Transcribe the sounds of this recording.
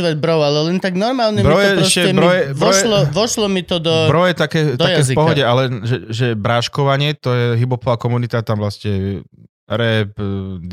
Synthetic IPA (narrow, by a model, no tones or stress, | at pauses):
ʋɛd̪bɾɔʊalɛlɛnt̪aɡnɔɾmaːlɲɛmbɾɔjɛɛɔsʃcɛɛbɾɔjɛbɾɔɛlɔʋɔʃlɔmit̪ɔd̪ɔbɾɔjɛt̪akɛːt̪akkɛːfipɔɦɔɟɛʔalɛʒɛʒɛbɾaʃkɔʋaɲɪɛt̪ɔjɛɦibɔpɔʋaːkɔmunit̪at̪amʋlascɛ | ɾɛpd̪